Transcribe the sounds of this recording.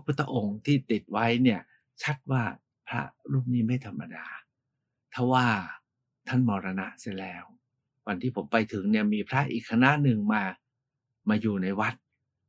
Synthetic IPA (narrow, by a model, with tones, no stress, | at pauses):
ppʰu˦˥t̪ːa˧ʔo˧ŋt̪ʰiː˥˩t̪i˨˩t̪̚wa˦˥jni˥˩ɐ | t͡ɕʰa˦˥t̪̚waː˥˩ | pʰɾa̰˦˥ʔɾuː˥˩m̚niː˦˥˩ma˥˩jt̪ʰa˧mːa˧daː˧ | t̪ʰa˧˥˩waː˥˩ | t̪ʰa˥˩nmɔː˧ɾa˧na̰˦˥ʔsa˥˩jlɛː˦˥w | wa˧nt̪ʰiː˥˩pʰo˩˦mpa˧jt̪ʰɯ˩˦ŋni˥˩ɐmiː˧pʰɾa˦˥ʔiː˨˩kʰːa˧na˦˥ʔnɯ˨˧ŋmaː˧ | maː˧juː˨˩na˧jwa˦˥t̪̚